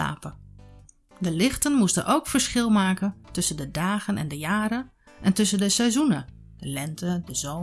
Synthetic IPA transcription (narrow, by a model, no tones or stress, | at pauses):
a̰ːpə | dəlɪχtənmustə̰nʔowkfəɹsχɪlˠmaːkəntɵsəndədaːχənɛ̰ndəjaːɾən | ʔɛntɵsəndəsɛzunə | d̥əlɛntədəzo